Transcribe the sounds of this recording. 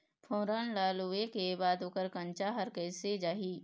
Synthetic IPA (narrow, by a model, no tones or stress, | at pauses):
pʰõːɾaːnlaːluekebaːd̪oːkəɾkə̃nt͡ʃaɦəɾkəɪsed͡ʒaːɦiː